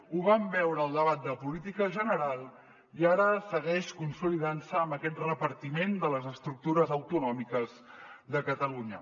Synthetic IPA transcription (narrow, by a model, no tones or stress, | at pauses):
uβambɛwɾəːlˠd̪əβat̪̚d̪əpulit̪ikəʒənəɾalˠ | iaɾəsəɣɛʃkunsuliðansəːmbəkɛt̪rəpəɾt̪imend̪ələzəst̪ɾuk̚t̪uɾəzəwt̪unɔmikəzðəkət̪əluɲə̰